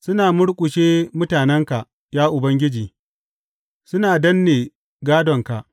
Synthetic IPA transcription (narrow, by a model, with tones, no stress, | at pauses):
sʊ˦naː˨mʊ˦ɽkʷʼʊ˨ʃeː˦mʊ˦taː˨nɛ˦ŋka˨ʔ | jaː˦ʔʊ˨bɐ˦ŋɡʲɪ˦d͡ʒiː˨ | sʊ˦naː˨dɐ˦nːeː˨ | ɡaː˦dɔ˨ŋka˨ʔ